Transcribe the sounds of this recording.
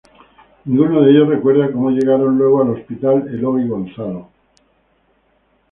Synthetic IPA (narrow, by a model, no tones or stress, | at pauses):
nĩŋɡunoðeʎo̞sre̞kwe̞ɾðako̞moʎe̞ɣ̞aɾo̞nlwe̞ɣ̞oalo̞spit̪aleloɣiɣo̞nθalo